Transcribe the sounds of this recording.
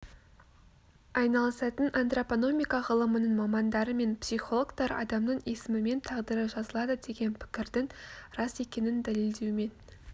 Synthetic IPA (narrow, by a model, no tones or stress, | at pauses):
ɑjnɑlˠəsɑt̪ənʔɑnt̪ropono̞mʲijkɑʁəlˠəmənəɴmɑmɑnd̪ɑɾəme̞npsijχo̞lˠo̞ɡt̪ɑɾɑ̰d̪ɑmnəɴe̞sɪmɪme̞nt̪ʰɑʁd̪əɾəʒɑzəlˠɑd̪əd̪e̞ɡʲe̞npʰɪ̥kʲɪɾd̪ɪŋɾɑse̞kʲe̞nɪnd̪æle̞ld̪e̞wme̞n